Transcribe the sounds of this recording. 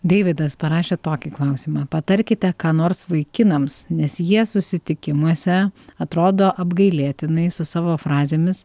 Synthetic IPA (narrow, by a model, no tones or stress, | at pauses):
d̪ʲeɪʋʲɪd̪ɐspɐɾɑːʃʲeːt̪oːkʲiklˠɐʊsʲiːmɑːpɐt̪ɐɾʲkʲɪt̪ʲɛkɑːnoːɾsʋɐɪkʲɪnɐmsnʲɛsjiɛsʊsʲɪt̪ʲɪkʲɪmuɔsʲɛɐt̪ɾoːd̪oːʔɐbɡɐɪlʲiːt̪ʲɪnɐɪsʊsɑːʋoːfɾɑːzʲeːmʲɪs